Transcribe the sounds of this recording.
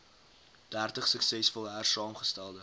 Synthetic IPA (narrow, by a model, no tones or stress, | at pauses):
d̥ærtəχsəksɛsfɔlˠɦærsɑːmχəstælˠdə